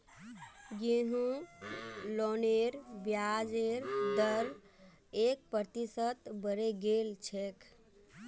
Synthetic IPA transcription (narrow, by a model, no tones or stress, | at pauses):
ɡiɦũ | loneɾbjad͡ʒeɾd̪əɾ | ek̚pəɾt̪isət̪bəɾeɡelt͡ʃʰek